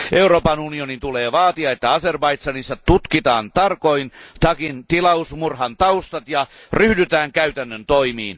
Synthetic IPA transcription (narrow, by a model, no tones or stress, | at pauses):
ʔeuroːpɑnunionint̪uleːʋɑːt̪iɑet̪ːæɑserbɑit̪sɑnisːɑt̪ːut̪kit̪ɑːnt̪ɑrkoint̪ɑkint̪ilɑusmurhɑnt̪ɑust̪ɑt̪jɑryhdyt̪æːŋkæyt̪ænːønt̪oimḭːn